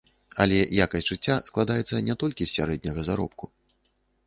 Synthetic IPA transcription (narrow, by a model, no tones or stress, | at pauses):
ɐ̰lʲɛjakɐsʲtʲʐ̥ɨt͡sʲːasklˠad̪ajɛt̪sːɐnʲɛt̪ɔlʲkʲisːʲaɾɛd̪̚ʲnʲɐɣɐzaɾɔ̰p̚ku